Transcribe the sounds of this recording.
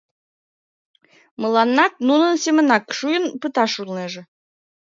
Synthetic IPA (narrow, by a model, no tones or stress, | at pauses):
məlˠɑnːɑk̚nunə̆nsemə̆nɑkʃujə̆npɨt̪ɑʃulˠneʒĕ